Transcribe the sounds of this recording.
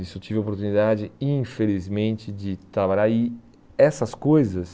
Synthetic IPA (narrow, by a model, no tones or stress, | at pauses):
isʊet͡ʃivɪopoɾt̪unid̪ad͡ʒɪĩfelizmẽnt͡ʃɪd͡ʒɪt̪ɾabaʎaɪ | ɛsɐskojzɐs